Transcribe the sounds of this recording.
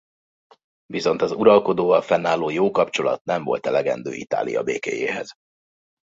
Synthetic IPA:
viso̞nt̪ɒzuɾɒlko̞d̪oːvɒlfɛnːaːloːjoːkɒpt͡ʃo̞lɒ̰t̪nɛɱvo̞̰lt̪ɛlɛɡɛ̰nd̪ø̰ːʔit̪a̰ːlijɒ̰beːkeːjeːɦɛz̥

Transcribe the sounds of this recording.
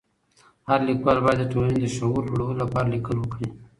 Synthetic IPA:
haɾlikwɑlbɑjad̪ːəʈolaned̪əʃawuɾɽəwolapɑɾalikəlwəkɽi

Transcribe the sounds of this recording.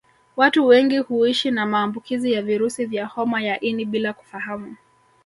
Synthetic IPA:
watuwɛŋɡihuiʃinamaːmbukizijaviɾusivjahɔmajaʔiniɓilaku̥fahamu

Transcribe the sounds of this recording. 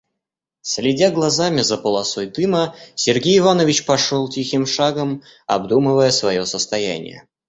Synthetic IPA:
sʲlʲɪdʲaɡlˠɐzamʲɪzəpəlˠɐsojd̪ɨməsʲɪrɡʲejɪvanəvʲɪt͡ɕpɐʂolˠtʲixʲɪmʂaɡəm | ɐ̰bd̪umɨvəjəsvɐjo̞səst̪ɐjæ̰nʲɪ̰jə̰

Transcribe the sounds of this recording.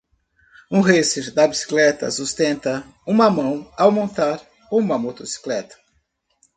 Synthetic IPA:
ũɦeseɾd̪ɐbisi̥klɛt̪ɐ̰sust̪ẽnt̪ɐ | ũmɐmɐ̃w̃awmõnt̪aɾ | ũũmɐmot̪osi̥klɛt̪ɐ̥

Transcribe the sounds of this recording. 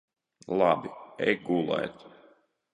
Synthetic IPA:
lˠabiɛjɡulˠɛ̰jt̪

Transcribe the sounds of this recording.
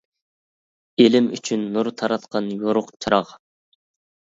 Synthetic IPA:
elɪmy̰t͡ʃʰynːuɾt̪ʰɑɾɑt̪qʰɑnjoɾʊqt͡ʃʰɑɾɑʁ

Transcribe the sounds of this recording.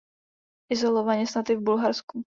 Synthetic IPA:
ʔɪzolovaɲɛsnat̪ɪvbulɦaɾsku

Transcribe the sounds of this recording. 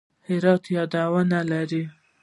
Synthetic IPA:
hɪɾɑt̪jɑd̪awanalaɾi

